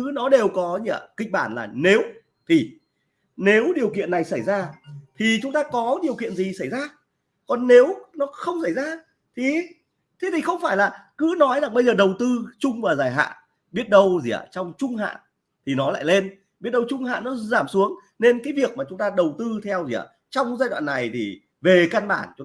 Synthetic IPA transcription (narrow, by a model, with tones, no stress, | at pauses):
ɨ˨˦nɔ˨˦ɗe˨˩wkɔ˨˦ɲḭ˧ə˧˩kï˧˨ŋ̟̚ɓaː˧˩nlaː˨˩ne˨˦w | t̪ʰi˨˩ | ne˨˦wɗi˨˩əwkḭ˧˨ənːa˨˩jsa˧˩jzaː˧t̪ʰi˨˩t͡ɕʊ˨˦ŋ͡mt̪aː˧kɔ˨˦ɗi˨˩əwkḭ˧˨ənzi˨˩sa˧˩jzaː˧ | kɔ˨˩nːe˨˦wnɔ˨˦xə˧wŋ͡msa˧˩jzaː˧ | t̪ʰi˨˩ | t̪ʰe˨˦t̪i˨˩xə˧wŋ͡mfaː˧˩jlaː˨˩kɨ̰˧˥nɔ˨˦jzaː˨˩ŋɓə˧jzəː˨˩ɗə˨˩wt̪ɨ˧t͡ɕʊ˧ŋ͡mvaː˨˩zaː˨˩jɦa̰ː˧˨n | ɓi˦˥ət̚ɗə˧wzḭ˨˩˨ə̰˨˧˩t͡ɕɔ˧wŋ͡mt͡ɕʊ˧ŋ͡mɦa̰ː˧˨n | t̪ʰi˨˩nɔ˨˦la̰ː˧˨jle˧n | ɓi˦˥ət̚ɗə˧wt͡ɕʊ˧ŋ͡mha̰ː˧˨nːɔ˨˦zaː˧˩msu˨˦əŋ | ne˧nkaː˨˦jvi˨˩ək̚maː˨˩t͡ɕʊ˨˦ŋ͡mt̪aː˧ɗə˨˩wt̪ɨ˧t̪ʰɛ˧wzḭ˨a̰˧˩ | t͡ɕɔ˧wŋ͡mzaː˧jɗwa̰ː˧˨nːa˨˩jt̪ʰi˨˩ | ve˨˩kaː˧nɓaː˧˩nt͡ɕ